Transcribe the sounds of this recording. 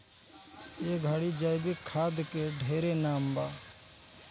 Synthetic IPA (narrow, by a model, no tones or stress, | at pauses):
eːɡʱəɽid͡ʒəjbɪkʰːaːd̪keɖʱeːɾenaːmbaː